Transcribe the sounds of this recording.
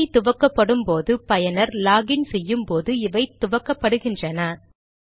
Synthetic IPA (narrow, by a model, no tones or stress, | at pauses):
ɪt̪ʊʋɐkːɐpːɐɽɯmpoːðɯpɐjɐnɐɾlaːɣɪnsɛjːɯmpoːðɯɪʋɐɪt̪ːʊʋɐkːɐpːɐɽɯɣɪndrɐnɐ